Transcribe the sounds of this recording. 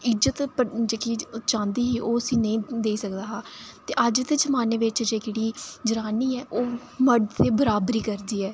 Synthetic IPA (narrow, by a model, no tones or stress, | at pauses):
ɪd͡ʒət̪pəd͡ʒeːkit͡ʃãːnd̪iːɦiːʔoːəsĩːnəĩːd̪eːiːsəkd̪aːɦaːt̪eːʔəd͡ʒt̪ɪt͡ʃmaːneːʋɪt͡ʃd͡ʒeːkeːɽiːd͡ʒəɾaːniːɛːʔoː | məɖt̪ʰeːbəɾaːbɾiːkəɾd̪iːɛː